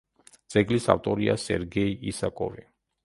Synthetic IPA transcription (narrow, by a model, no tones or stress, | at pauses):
d̪z̥ʼɛɡlisa̰ft̪ʼɔɾia̰sɛɾɡɛiisakʼɔvi